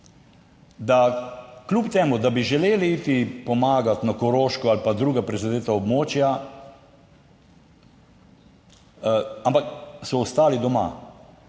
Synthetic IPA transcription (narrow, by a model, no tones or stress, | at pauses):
d̪aklʲupt̪eːmud̪abiʒɛleːliiːt̪ipɔmaːɡat̪nakɔɾoːʃkɔalpad̪ɾuːɡapɾɛzad̪eːt̪aɔbmoːt͡ʃja | ampaksɔːst̪aːlid̪ɔma̰